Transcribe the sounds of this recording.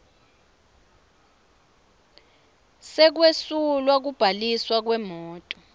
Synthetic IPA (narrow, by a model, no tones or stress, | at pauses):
sɛk̬wesulwak̬ub̥ʱaliswak̬wɛmɔːtʼɔ̥